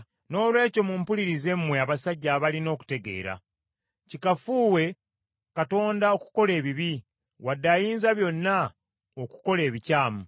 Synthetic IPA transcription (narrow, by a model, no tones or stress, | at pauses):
no̞ːlwe̞ːco̞mumpuliɾize̞mwe̞aβasaɟːaβalino̞ːku̥te̞ɡe̞̰ːɾa̰ | cikafuːwe̞ | kato̞ːndao̞ku̥ko̞le̞ːβiβi | wadːajiːnzaβjo̞nːa | oku̥ko̞le̞ːβicaːmu